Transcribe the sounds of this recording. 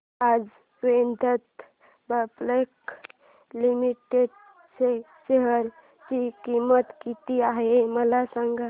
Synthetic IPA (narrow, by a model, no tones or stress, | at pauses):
ad͡ʒ | ʋend̪ʱət̪ | bəplek | limiʈeɖ | se | seɦəɾ | t͡ʃikimət̪kit̪iaɦeməlasəŋɡə